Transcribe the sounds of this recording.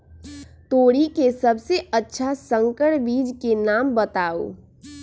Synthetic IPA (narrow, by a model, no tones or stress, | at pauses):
t̪oːɽikesəbseətːʃʰasə̃ŋkəʈbiːd͡ʒkenaːmbət̪aːo̰ː